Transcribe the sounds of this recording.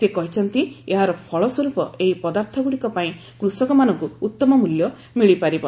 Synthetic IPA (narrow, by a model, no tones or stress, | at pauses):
sekɔɦit͡ʃʰɔnt̪ieɦaɾɔpʰɔɭɔsɔɾupɔ̰eipɔd̪aɾt̪ʰɔɡuɽikɔpaĩ | kɾusɔkɔmanɔŋkuːt̪ːɔmɔmuljɔ | miɭipaɾibɔ